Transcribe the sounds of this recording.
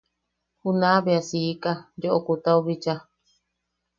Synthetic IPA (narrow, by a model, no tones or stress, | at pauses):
hunaβeasiːkad͡ʒoʔokut̪auβit͡ʃa